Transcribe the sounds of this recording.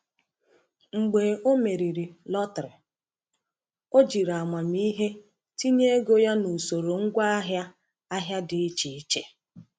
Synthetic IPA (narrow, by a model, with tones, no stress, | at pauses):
ŋ͡m̩˨ɡ͡be˨o˦me˨ɾi˨ɾi˨lɔ˦tɾɪ˨ | o˦d͡ʒi˨ɾa˨ma˨mi˦ɦe˦ | ti˦ɲe˦e˦ɡo˦ja˦nu˨so˨ɾo˨ŋ̩˦ɡʷa˦a˦ɦja˦ | a˦ɦja˦dɪ˨˦t͡ʃi˨i˦t͡ʃe˦